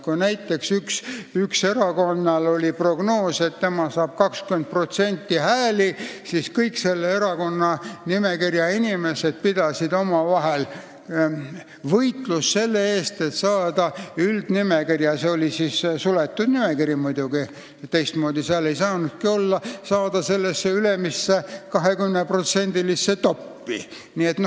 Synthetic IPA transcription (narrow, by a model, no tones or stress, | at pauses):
kunæjt̪ːˑe̞ksyksykse̞ɾɑko̞nːɑlo̞lipro̞ɡ̥no̞ːse̞t̪t̪e̞mɑsɑːb̥kɑkskyment̪̚pro̞t̪se̞nʲt̪ːˑihæːlisiskɤjkse̞lːee̞ɾɑko̞nːɑnime̞kirjɑinʲime̞se̞d̪̥̚pid̪̥ɑsid̪o̞mɑvɑɦel | vɤjt̪lusːe̞lːeeːst̪et̪sɑːd̪̥ɑyld̪̥nimekirjɑseo̞lʲisissulet̪ːˑud̪̥nimekiɾjimujd̪̥uɡ̥i | t̪e̞jst̪mo̞ːd̪̥isɑːlejsɑːnud̪̥̚kio̞lːɑsɑːd̪̥ɑse̞lːesːeylemisːekɑɦe̞kymnepro̞t̪se̞nʲd̪ilisːe̞t̪o̞pːḭ | nie̞t̪no